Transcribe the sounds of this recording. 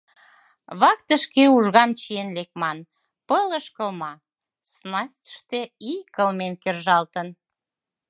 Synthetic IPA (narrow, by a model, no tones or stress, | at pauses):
βɑkt̪əʃkeuʒɣɑmt͡ɕijenlek̚mɑn | pələʃkəlmɑ | snɑst̪ə̥ʃt̪eikəlmenkerʒɑlt̪ən